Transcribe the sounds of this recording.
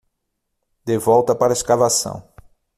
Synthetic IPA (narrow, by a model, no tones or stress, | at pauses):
d̪evɔwt̪ɐpaɾɐeskavasɐ̰̃w̃